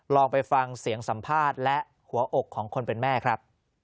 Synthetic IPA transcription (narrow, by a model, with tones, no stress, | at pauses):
ɾɔː˧ŋpa˧jfa˧ŋsi˩˦əŋsa˩˦mpʰaː˥˩t̪̚lɛ˦˥ʔ | hu˩˦ɐʔo˨˩kʰːɔː˩˦ŋkʰo˧npe˧nmɛː˥˩kʰɾa˦˥p̚